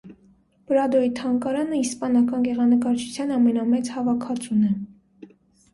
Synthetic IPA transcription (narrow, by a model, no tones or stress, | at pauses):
b̥ɾɑd̪ɔit̪ʰɑŋkɑɾɑnəispɑnɑkɑnɡɛʁɑnəkɑɾt͡ʃʰu̥t͡sʰjɑnɑmɛnɑmɛt͡shɑvɑkʰɑt͡sunɛ